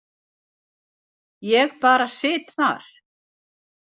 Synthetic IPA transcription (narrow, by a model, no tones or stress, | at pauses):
jɛɣpaːɾasɪːt̪θa̰ɾ̥